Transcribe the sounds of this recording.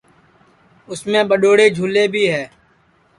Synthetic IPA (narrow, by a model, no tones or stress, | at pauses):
ʊsmẽːbəɗoːɽeːd͡ʒʱuːleːbʱiːɦɛː